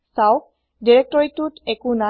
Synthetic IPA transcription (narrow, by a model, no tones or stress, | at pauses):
saw | diɹɛk̚tɔɹitutɛkuna